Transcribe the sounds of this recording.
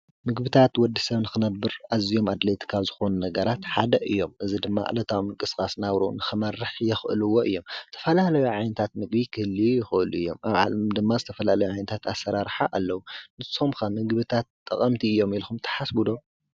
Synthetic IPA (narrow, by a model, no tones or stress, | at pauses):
mɨɡbɨt̪ʰat̪wɔd̪ːisɐβnɨxɨnɐbːɨɾʔazijo̞mad̪lɐjt̪ʰkʰaβzɨxo̞nunɐɡɐɾat̪ħad̪ɐʔɨjːo̞mʔɨzid̪ɨmːa̰ʔlɐt̪ʰawmɨŋkʼɨskʼasnaβɾonɨxɨmɐrːɨħjɛxʔɨlɨwoʔɨ̰jːo̞mɨt̪ʰɐfɐlalɐjuʕajnɐt̪ʰat̪mɨɡbikʰɨhlːijɪxɨʔɨluʔɨjːo̞mʔaβʕa̰lmd̪ɨmːazɨt̪ʰɐfɐlalɐjuʕajnɐt̪ʰat̪asːɐɾaɾħaʔalːɐwunɨsomkamɨɡβɨt̪ʰat̪ʼːɐ̰kʼɐmt̪ʰiɨjːo̞milxumt̪ʰɐ̥ħasbud̪o̞